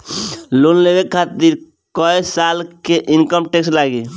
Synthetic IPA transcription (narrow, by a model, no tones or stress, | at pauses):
lonlebekʰːat̪iɾ | kɔjsalkeʔinkəmʈekslaɡi